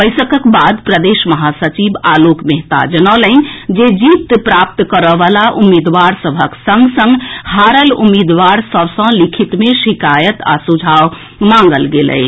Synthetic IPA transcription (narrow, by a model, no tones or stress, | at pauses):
bəɪsəkəkbad̪pɾəd̪eʃməɦasət͡ʃiba̰lokmeɦt̪a̰d͡ʒənələnd͡ʒed͡ʒipt̪pɾap̚t̪kəɾəʋalaʔumːid̪ʋaɾsəbʱəksə̃ŋɡsə̃ŋɡhaɾəlṵmid̪ʋaɾsəbʱsə̃likʰit̪meʃikajət̪a̰sud͡ʒʱaw | mãŋ̆ɡəlɡelə̰